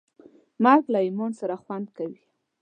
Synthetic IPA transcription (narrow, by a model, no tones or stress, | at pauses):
maɾɡlaimonsaɾaxwand̪̚kawi